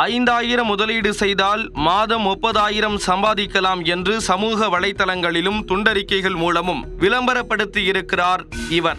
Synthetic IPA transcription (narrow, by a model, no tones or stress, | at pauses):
ɐɪnd̪aːjɪɾɐmʊðɐliːɽɯsɛjðaːlmaːðɐmɔpːɐðaːjɪɾɐmsɐmbaːðɪkːɐlaːmɛndrɯsɐmuːɣɐʋɐɭɐɪt̪ːɐlɐŋɡɐɭɪlɯmt̪ʊɳɖɐɾɪkːɐɪɣɐɭmuːlɐmɯmʋɪlɐmbɐɾɐpːɐɽɯt̪ːijɪɾɯkːɪraːɾɪʋɐɾ